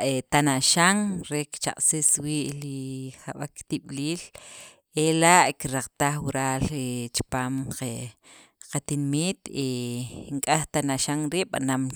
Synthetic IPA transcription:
et̪anaʃaŋɾekt͡ʃa̰qʼsiswiːʔliχaɓakt̪iɓ̥liːl | elaʔkiɾaq͡χt̪aχwuɾaːlet͡ʃi̥paːmqe | qat̪inmiːt̪eŋkʼaχt̪anaʃaŋɾiːʔɓa̰nam

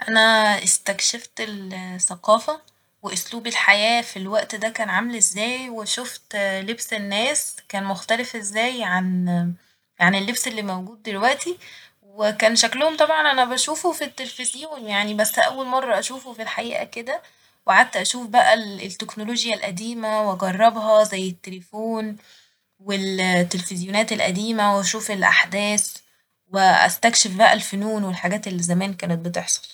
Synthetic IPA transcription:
ʔænæʔest̪ækʃeft̪elsæqɑːfæ | weʔosluːbelħajæːfilwæʔt̪d̪ækæːnʕamelʔezːæːjweʃoft̪lebsenːæːskæːnmoxt̪ælefʔezːæːjʕan | ʕanelːebselːimæwɡuːd̪̚ːelwæʔt̪i | wekæːnʃæklohomt̪ˤɑbʕɑnʔænæbæʃuːfufit̪ːelfezjuːnjaʕnibæsːʔæwːælmɑrˤːɑʔæʃuːfofilħaʔiːʔæ̰ked̪æ | weʕad̪t̪ːæʔæʃuːfbæʔælt̪ːeknoloːɡjælʔæd̪iːmæwʔɑɡɑrˤːɑbhɑzæjːet̪ːelefoːn | welt̪ːelefezjonæːt̪elʔæ̰d̪iːmæweʔæʃuːfelʔa̰ħd̪æːs | weʔæ̰st̪ækʃefbæʔæ̰lfonuːnwelħaɡæːt̪elːizæmæːnkæːnet̪̚bet̪eħsˤo̥l

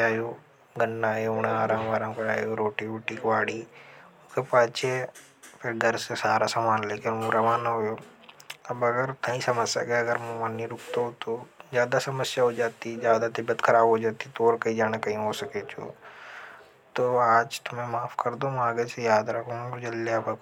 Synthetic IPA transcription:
aːjoː | ɡənːaːjoʊɽ̃aaːɾãːmaːɾãːmkɐɽaːjoɾoːʈiʊʈiːkʋaːɽiːʊskepaːst͡ʃʰe | pʰɪɾɡʱɐɾsesaːɾasamaːnleːkɪnmũɾɐʋaːnɦoːjoː | ɐbɐɡəɾt̪ɐĩsɐməd͡ʒsɐ̰keɐɡəɾmũmanːiɾʊkʰt̪oɦt̪ozjaːd̪asɐməsjaɦod͡ʒaːt̪id͡ʒjaːd̪at̪ebɐt̪kʰɐɾaːbɦod͡ʒaːt̪it̪ooːɾkɐĩd͡ʒaːnakɐĩɦosɐket͡ʃʰo̰ | t̪oaːd͡ʒt̪ʊmẽmaːpkɐɾd̪omãːɡet͡ʃejaːd̪ɾɐkʰomd͡ʒɐlːeɐbɐk

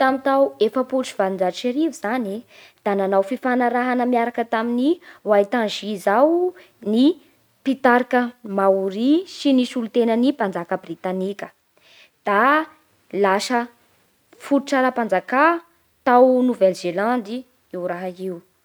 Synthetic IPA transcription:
t̪amit̪awefəpulʈ͡ʂiv̥alind͡ʒat͡ʃeɾiviz̥ane | d̪̥ananawfifanaɾaɦanəmiaɾakət̪aminiwait̪ãnʒizaw | ni | pit̪aɾikəmauɾisinisulut̪enənipand͡zakəbrit̪anikʲə̥ | d̪̥a | lasə | fuɾʈ͡ʂaɾapand͡zaka | t̪awnuvɛlzeland̪i | ewɾaɦaiw

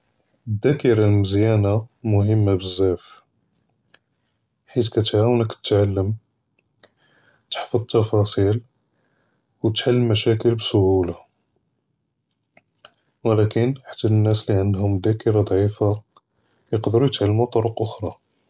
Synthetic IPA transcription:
d̪ːækəɾɑlməzjænamʊɦəmːabəzːæf | ħit̪kæt̪ʕawnəkt̪ə̥t̪ʕalːəm | t̪ə̥ħfɑd̪̚ˤt̪ːɑfɑsˤil | wt̪ħalːəmːæʃækəlbsʊhula | wəlækənħḁt̪ːænːæsliʕənd̪hʊmd̪ækəɾɑd̪ˤʕifa | jəqd̪əɾujət̪ʕalːmut̪ˤoɾəqʔʊxɾˤɑ

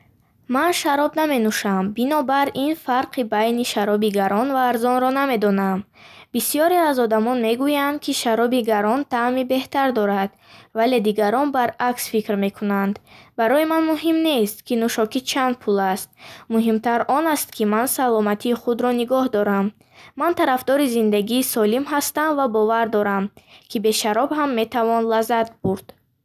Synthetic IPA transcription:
manʃaɾɔbname̞nuʃambinɔbaɾinfaɾqʰibajniʃaɾɔbiɡaɾɔnvaːɾzɔnɾɔname̞d̪ɔnambisijɔɾeazɔd̪amɔnme̞ɡujand̪̚kʰiʃaɾɔbiɡaɾɔnt̪ʰamibe̞ht̪aɾd̪ɔɾad̪̥ | vale̞d̪iɡaɾɔnbaɾaksfikɾme̞kʰunand̪baɾɔjimanmuɦimne̞st̪kʰinuʃɔkit͡ʃʰand̪̚pʰulast̪̚muɦimt̪ʰaɾɔnast̪kʰimansalɔmat̪ʰiːχud̪ɾɔniɡɔhd̪ɔɾamː | ant̪ʰaɾafd̪ɔɾizind̪aɡiːsɔlimɦast̪amvabɔvaɾd̪ɔɾamkʰibe̞ʃaɾɔbɦamːe̞t̪ʰavɔnlazat̪̚buɾd̪̥

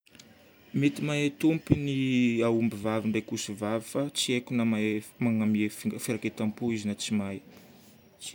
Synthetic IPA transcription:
met̪imaat̪umpiniaumbivaviɳɖ͡ʐajkusivavifat͡siekunamamaŋamiefifiɾaket̪ampuizinat͡simaj

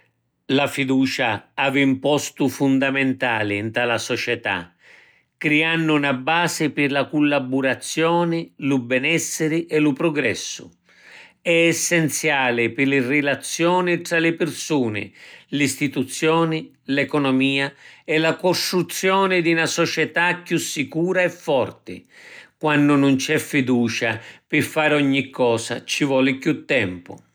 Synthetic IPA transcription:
lafid̪uːt͡ʃaavɪimpɔst̪ufund̪amɛnt̪aːlɪnt̪ɾalasɔt͡ʃɛt̪a̰ | kːɾianːʊnabaːsɪpɪrlakulːabuɾat̪sːjɔːnɪlubɛnɛsːɪɾɪʔɛlupɾɔɡɾɛ̰sːʊ̰ | ɛɛsːɛnt̪sjaːlɪpɪlɪrɪlat̪sːjɔːnɪt̪ɾalɪpɪrsuːnɪ̰list̪it̪ut̪sːjɔːnɪ | lɛkɔnɔmiːaɛlːakɔst̪ɾut̪sːjɔːnɪd̪inasɔt͡ʃɛt̪akːjusːikuːɾaɛfːɔrt̪ɪ̰kwanːʊnʊnt͡ʃɛfːid̪uːt͡ʃapɪfːaːɾɔɲːikʰːɔːsa̰t͡ʃivɔːlɪkjut̪ːɛmpʊ̰

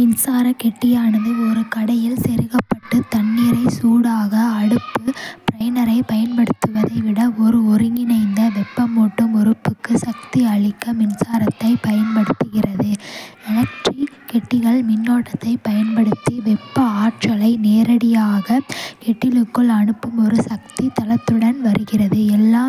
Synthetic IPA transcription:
mɪnsaːɾɐkɛʈːɪjaːɳɐðɯɔɾɯkɐɽɐjɪlsɛɾɯɣɐpːɐʈːɯt̪ɐɳːɪɾɐɪsuːɽaːɣɐːɽɯpːɯpɾɐɪnɐɾɐɪpɐjɐnpɐɽɯt̪ːɯʋɐðɐɪʋɪɽɐɔɾɯɔɾɯŋɡɪnɐɪnd̪ɐʋɛpːɐmoːʈːɯmɔɾɯpːɯkːɯsɐkt̪iɐɭɪkːɐmɪnsaːɾɐt̪ːɐɪpɐjɐnpɐɽɯt̪ːɯɣɪrɐðɯɛnɐk̚ʈrikɛʈːɪɣɐɭmɪnːoːʈːɐt̪ːɐɪpɐjɐnpɐɽɯt̪ːiʋɛpːɐaːʈ̚t͡ʃɐlɐɪneːɾɐɽɪjaːɣɐkɛʈːɪlɯkːɯɭɐɳɯpːɯmɔɾɯsɐk̚t̪it̪ɐlɐt̪ːɯɽɐnʋɐɾɯɣɪrɐðɯɛlːaː

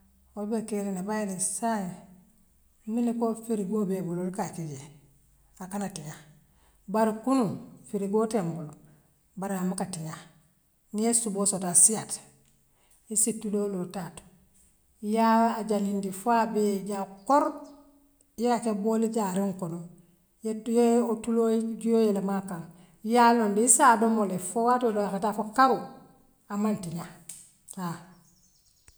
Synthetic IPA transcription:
olbekeɾinabajelisaj | ninikofiɾiɡobebulolkakid͡ʒe | akanatiɲa | baɾikunufiɾiɡotembul | baɾamakatiɲa | niesuboːsotasijat | isitːuloːlotat | jaaɟalindifabeɟakoɾ | jeat͡ʃaboliɟaɾeŋkono | jjeotulod͡ʒujojelemakaɾ | jalondiisadomolefowatodojakatafokaɾu | amantiɲa | ha

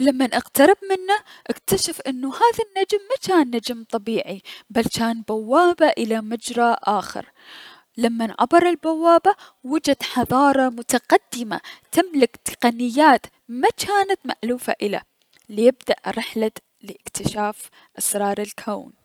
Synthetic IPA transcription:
lamːanʔɪqt̪ɑɾˤɪbmɪnːaʔakt̪aʃafʔɪnːuhaːðanːad͡ʒmːat͡ʃaːnːad͡ʒmt̪ˤɑbiːʕibalt͡ʃaːnbawːaːbaʔɪlamad͡ʒɾˤaʔaːxɪ̰ɾ | lamːanʕa̰bɑɾˤɪlbawːaːba | wɪd͡ʒad̪ħɑðˤɑːɾˤɑmʊt̪aqɑd̪ːɪma̰t̪ɪmlɪkt̪ɨ̥qɑnɪjːaːt̪ | mat͡ʃaːnat̪ma̰ʔluːfa̰ʔɪla̰ | lijɪbd̪aʔɾɪħla | lɪʔɪkt̪ɪʃaːf | ʔɑsɾˤɑːɾˤɪlkʰaːn

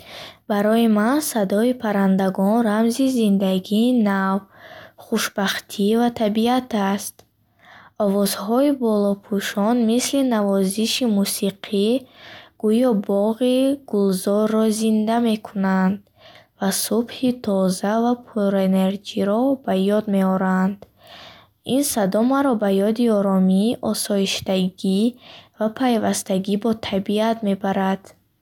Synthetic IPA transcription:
b̥aɾɔimansad̪ɔipʰaɾand̪aɡɔnɾamzizind̪aɡiːnavχuʃbaχt̪ʰivat̪ʰabiat̪ʰast̪ | ɔvɔzhɔibɔlɔpʰuʃɔnmislinavɔziʃimusiqʰiɡ̥ujɔbɔʁiɡ̥ulzɔrːɔzind̪ame̞kʰunand̪ | vasubhit̪ʰɔzavapʰuɾene̞ɾd͡ʒiɾɔbajɔd̪me̞ɔɾand̪ | insad̪ɔmaɾɔbajɔd̪iɔɾɔmiʔɔsɔiʃd̪aɡivapʰajvast̪aɡibɔt̪ʰabiat̪me̞baɾad̪̥

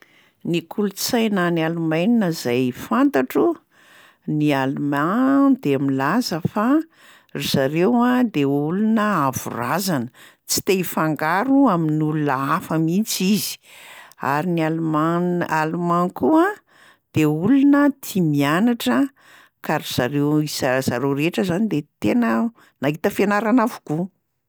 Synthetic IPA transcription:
nikʰulut͡sajnanialumajninəzajfant̪aʈ͡ʂu | nialumad̪eamilazəfa | rizaɾewad̪eulunəavṵrazanə | t͡si̥t̪efaŋɡaɾuaminulunəafamit͡sizi̥a̰ɾinialumaalumaŋkua | d̪̥eulunət̪ʰimianaʈ͡ʂə | kaɾiz̥aɾewisaz̥aɾoɾeʈ͡ʂəzanid̪et̪enə | naɦit̪əfenaɾanavu̥ku

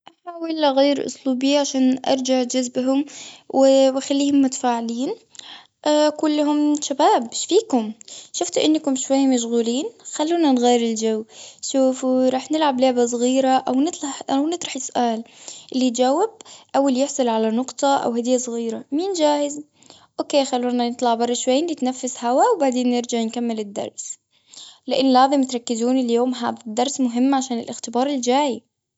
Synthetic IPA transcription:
ʔaħaːwɪlɣajɾʔʊ̰sˤluːbɪjːaʕaʃaːnʔɑ̰ɾˤd͡ʒaʕd͡ʒʊzbɦʊmwɪwɪxalːiːhʊmːʊt̪ḁfaːʕɪliːn | ʔakʊlːɦʊmʃabaːbʃfiːkʊmʃʊft̪ʔɪnːkʊmʃwajːmaʃ̬ɣuːliːnxalːuːnanɣaːɾɪld͡ʒawːʃuːfuɾˤɑːħnɪlʕablʊʕbas̬ˤɣiːɾaʔawnɪt̪ˤlɑħʔawnɨt̪ˤɾˤɑħɪsʊʔaːlʔɪlːit̪d͡ʒawːɪb̚ʔawaljɪħsˤɑlʕalanʊqt̪ˤɑʔa̰whad̪ɪjːasˤɣiːɾamiːnd͡ʒaːhɪz | ʔoːkeːxalːuːnanɪt̪ˤlɑʕbɑrˤːɑʃwajnːɪt̪nafːɪshawawbaʕd̪eːnːɪɾd͡ʒaʕnkamːɪlɪd̪ːɑ̰ɾˤs | lɪʔɪnːlɑːzɪmɪt̪ɾˤɑkːɪzuːniljoːmɦa̰ːðad̪ːɑɾˤsmʊɦɪmːʕaʃaːnɪ̰lʔɪxt̪ɪbɑːɾˤɪld͡ʒaːji

